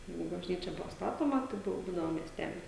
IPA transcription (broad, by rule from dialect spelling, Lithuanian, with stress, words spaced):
ˈjɛɪɡʊ bɐʒʲˈnʲiːt͡ʃʲɛ ˈbʊʋoː ˈstɑːtoːmɐ tɐɪ ˈbʊʋoː ʋɐˈdʲɪnɐmɐ mʲiɛsʲˈtʲæːlʲɪs